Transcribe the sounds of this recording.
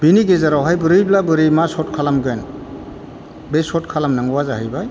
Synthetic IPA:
biniɡezaɾawɦajbɯɾɯjblabɯɾɯjmasɔt̚kʰalamɡɯjn | besɔtkʰalamnaŋɡuwazahɯjbaj

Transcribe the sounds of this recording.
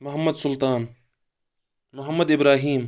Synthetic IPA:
mʊɦɐmːɐd̪sʊlt̪aːn | mʊɦɐmːɐd̪ɪbɾaːɦiːm

